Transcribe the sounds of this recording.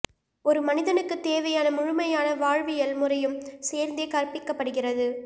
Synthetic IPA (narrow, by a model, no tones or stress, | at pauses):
ɔɾɯmɐnɪðɐnɯkːɯt̪ːeːʋɐjaːnɐmʊɻʊmɐjaːnɐʋaːɻʋɪjɐlmʊrɐjɯmseːɾnd̪eːkɐrpɪkːɐpːɐɽɯɣɪrɐðɯ